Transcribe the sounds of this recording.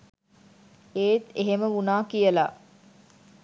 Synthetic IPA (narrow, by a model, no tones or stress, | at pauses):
eːt̪eɦeməʋunaːkijəlaː